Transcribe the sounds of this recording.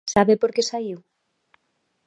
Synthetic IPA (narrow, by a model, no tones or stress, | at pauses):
saβepoɾkesaiw